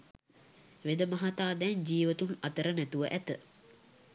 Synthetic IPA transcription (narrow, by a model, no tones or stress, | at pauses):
ʋed̪əmɐɦat̪aːd̪ɛnd͡ʒiːʋət̪unat̪əɾənæt̪uʋəʔæt̪ə